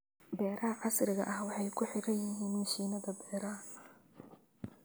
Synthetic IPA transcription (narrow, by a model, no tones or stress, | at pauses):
bɛːɾʔɐɦɐʕɑsrɪɣɐ̰ʔɐhwɑħɑjkʰʊħɪɾɐnjɪɦiːnmɐʃiːnɐðɐbɛːɾɐ